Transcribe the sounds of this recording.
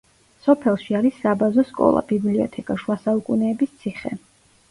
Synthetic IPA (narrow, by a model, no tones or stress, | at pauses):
sɔpʰɛlˠʃiaɾisːabazɔskʼɔ̰lˠa̰bibliɔ̰t̪ʰɛkʼaʃwasaukʼunɛːbist̪sʰiχɛ̰